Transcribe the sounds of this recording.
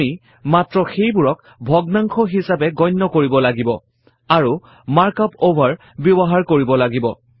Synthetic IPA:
i | matɹɔxejbuɹɔk | bʱɔɡnaŋkʰɔɦisapɛɡɔjnːɔkoɹibɔlaɡibɔ̰ | aɹu | maɹkapobʱaɹ | bjɔbɔɦaɹkoɹibɔlaɡibɔ̰

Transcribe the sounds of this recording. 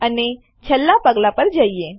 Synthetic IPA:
əne | t͡ɕʰəlːapəɡlapəɾd͡ʒaie

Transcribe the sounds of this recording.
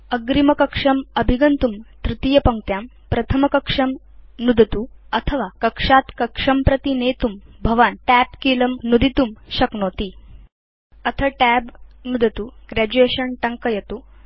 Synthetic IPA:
əɡɾimɐkəkʂɐməbʱiɡɐnt̪umt̪ɾit̪ijɐpɐŋkt̪jam | pɾɐt̪ʰəmɐkɐkʂɐm | nud̪ʱət̪uət̪ʰəʋakəkʂat̪kɐkʂɐmpɾɐt̪inet̪umbʱɐʋanʈæpkiləmnud̪it̪umɕɐknot̪i | ət̪ʰəʈæbnud̪ʱət̪uːɡɾæd͡ʑueɕənʈɐŋkəjɐt̪uː

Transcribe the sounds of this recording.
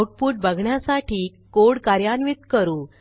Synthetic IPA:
ʈ̚puːʈ̚bəɡʱɳjasaʈʰiːkkoɽkaɾjanʋit̪kəɾuː

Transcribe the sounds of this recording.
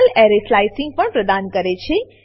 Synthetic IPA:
lɛɾeslajsĩŋɡ̚pəɳpɾəd̪ankəɾet͡ʃʰe

